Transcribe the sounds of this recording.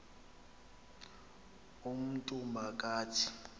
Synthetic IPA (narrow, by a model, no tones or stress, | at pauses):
um̩tʼumbʱak̬ʼaːtʰi̥